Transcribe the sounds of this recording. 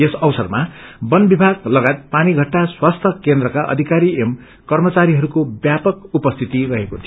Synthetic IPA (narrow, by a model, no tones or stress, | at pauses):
esʌwsʌrmabʌnbibʱaɡlʌɡaet̪̚paniɡʱʌʈːaswast̪ʰʌkend̪rʌkaʔʌ̰d̪ʱikaɾiem | kʌrmʌt͡saɾiɦʌɾukobjapʌkupʌst̪ʰit̪irʌɦekot̪ʰi